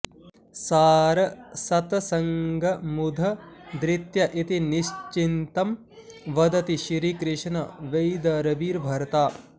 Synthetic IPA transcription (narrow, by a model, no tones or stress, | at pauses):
saːɾɐsɐt̪ɐsɐŋɡʱɐmud̪ʱɐd̪ɾɪt̪jɐʔit̪iniʃt͡ʃint̪ɐm | ʋɐd̪ɐt̪iʃɾiːkɾɪʂnɐʋejd̪ɐɾɐbiːɾbʱɐɾɐt̪aː